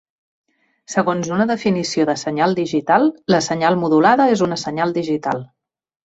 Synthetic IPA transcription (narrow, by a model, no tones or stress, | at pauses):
səɣonzunəðəfinisioðəsəɲalˠd̪iʒit̪alˠləsəɲalˠmuðulaðəezunəsəɲalˠd̪iʒit̪alˠ